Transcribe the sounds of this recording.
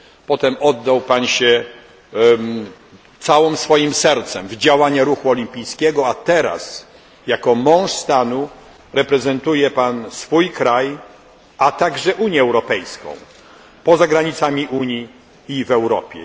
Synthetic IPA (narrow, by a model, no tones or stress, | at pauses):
pɔt̪ɛmɔd̪ːawpanɕɛ | t̪sawɔmsfɔjimsɛɾt̪sɛmvd͡ʑawaɲaɾuxuɔlʲimpʲijskʲɛɡɔat̪ɛɾa̰s | jakɔmɔ̃w̃ʂst̪anu | ɾɛpɾɛzɛnt̪ujɛpansfujkɾaj | ʔat̪aɡʐɛʔuɲjɛːwɾɔpɛjskɔ̰̃w̃ | pɔzaɡɾaɲit̪samʲiʔuɲjiː | vɛwɾɔ̰pʲjɛ̰